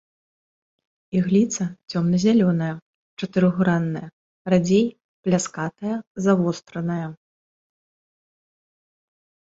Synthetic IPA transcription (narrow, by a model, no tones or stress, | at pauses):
iɣlʲit̪sɐt͡sʲɔmnɐzʲalʲɔnɐjɐ | t͡ʂɐt̪ɨɾɨɣuɾanːɐjɐ | rad͡zʲej | plʲaskat̪ɐjɐzavɔst̪ɾɐnɐjɐ